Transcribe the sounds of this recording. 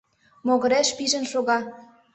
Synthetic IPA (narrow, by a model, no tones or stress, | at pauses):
moɣə̆ɾeʃpiʒə̆nʃoɣɑ